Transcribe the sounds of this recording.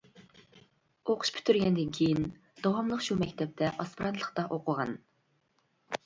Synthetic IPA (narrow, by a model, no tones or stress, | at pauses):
oqʰʊ̥ʃpʰy̥t̪ʰyɾɡʲɛnd̪ɪnkʲʰejin | d̪̥ɑwɑmlˠəqʃumɛkʲt̪ʰɛp̚t̪ʰɛʔɑspiɾɑnt̪ʰlˠəχt̪ɑʔoqʰʊʁɑ̰n